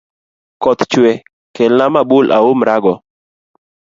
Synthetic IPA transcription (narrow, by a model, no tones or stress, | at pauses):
kɔt̪t͡ʃwɛ | kelnamabʊlʔa̰omɾaɡɔ